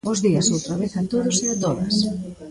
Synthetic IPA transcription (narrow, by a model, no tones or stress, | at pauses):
ʊzðiɐsowt̪ɾɐβeθɐnt̪oðʊseat̪oðɐ̰s